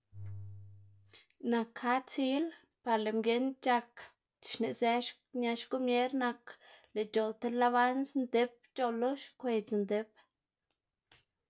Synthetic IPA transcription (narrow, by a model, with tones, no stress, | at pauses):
na˨kha˦t͡si˦l | pa˧ɾle˨mɡe˧˦nt͡ʃa˧k | t͡ʃi̥˨ʃne˨ze˧˦ʃ | ɲa˧ʃku˦mje˦ɾna˧kle˨t͡ʃo˨lt̪e˧˦la˦˧βa˦nsnd̪e˦p̚ | t͡ʃo˧lːo˦ʃkʷe˧t͡snd̪e˦p